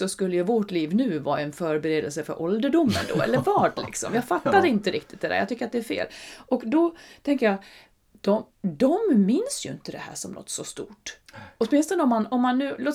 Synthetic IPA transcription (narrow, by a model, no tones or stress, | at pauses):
sɔskɵlːəjɵvɔʈliːvnʉ̟ːvɑːɾaɛnfœːɾbɛɾeːd̪əlsəfœ̰ɾʔɔld̪əɖʊmːə̰nd̪o̰ːɛ̰lːəɾvɑːɖlɪ̰ksɔ̰mjɑːɡfat̪ːad̪ɛɪnt̪əɾɪk̚t̪ɪt̪̚d̪ɛd̪ɛ̰jɑ̰t̪ʏkːəɾat̪̚d̪ɛæɾfḛːlʔɔkd̪ɔt̪ʰɛŋkəjɑ | d̪̥ɔ | d̪ɔmːɪnsjɵɪnt̪əd̪ɛhæ̰ːʂɔmlʔɔ̰t̪ːsɔst̪ṵːʈɔt̪mɪnst̪ɔnəɔmːanɔmːanːʉ̟ːloːt̪